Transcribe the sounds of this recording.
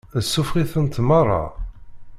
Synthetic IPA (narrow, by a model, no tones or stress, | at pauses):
əsːufʁiθənt̪mɑrˤːɑ̰